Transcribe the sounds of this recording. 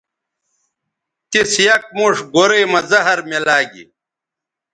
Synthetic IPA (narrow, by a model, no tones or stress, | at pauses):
kisjɐk̚muːʂɡoɾeːmɐzɐɦɐɾmelaːɡḭ